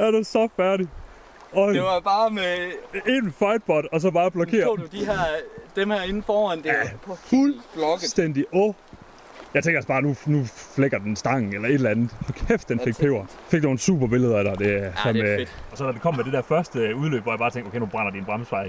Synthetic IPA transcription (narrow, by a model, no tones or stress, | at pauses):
æɐɾ̥esɒ̽fæɐɾi | ɒeʋɑb̥ɑ̈ːmeenfɑ̈ɪd̥̚b̥ɒ̽d̥ɒ̽s̬ɒ̽b̥ɑ̈ːb̥lɒ̽e̝̰ɐo̰dud̥iɦæɐ̰d̥emhæɐe̝nn̩fɒːænd̥efulb̥lɒɡ̥sd̥en̰d̥iʔɔ | jɑ̈ɪt͡sʰeŋɡ̥ɐæsb̥ɑ̈ːnunufleɡ̥ɐd̥ensd̥ɑ̈ŋ̰n̩elɐe̝ɾlænð̩ˠhɒ̽kʰefd̥enfe̝ɡ̥̚pʰeʊ̰ɐ | fe̝ɡ̥dno̝ːn̩sṵːb̥ɐb̥e̝ləð̞ˠɐæɾ̥ɑd̥e̝sɒmed̥ɒ̽sɒ̽d̥ædekʰɒ̽m̰ːmed̥e̝d̥æɐfɶɐsd̥əuðˠlø̰ːb̥ʋɒ̰jbɑːt͡sʰeŋɡ̥okʰeɪnub̥ʁɑn̰ɐd̥inb̥ʁɑ̈məsfɑ̈ɪ